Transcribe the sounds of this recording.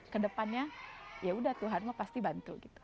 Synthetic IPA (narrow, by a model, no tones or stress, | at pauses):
kədəpanɲajaudaht̪uɦanmapast̪ibant̪ṵɡit̪u̥